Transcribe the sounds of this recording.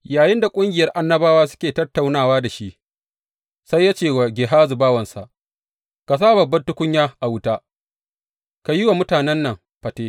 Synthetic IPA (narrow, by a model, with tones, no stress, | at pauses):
jaː˨jɪ˦nda˨kʷʼʊ˦ŋɡʲɪ˨jɐ˦rʔa˦nːɐ˦baː˦waː˦s̬ʊ̥˦kʲeː˨tɐ˦tːa˨wnaː˦˨waː˦da˨ʃi˦ʔ | sa˦jːaː˦t͡ʃeː˦˨wa˨ɡʲeː˨ɦaː˦zu˨baː˦wɐ˨nsa̰˨ʔ | ka˨s̬aː˦bɐ˨bːɐ˦ntʊ˦kʷʊ˦ɲjaː˦ʔa˨wʊ˦taː˦ | ka˨ji˦wa˨mʊ˦taː˨nɛ˦nːɐ˨ŋ | ɸɐ˨teː˦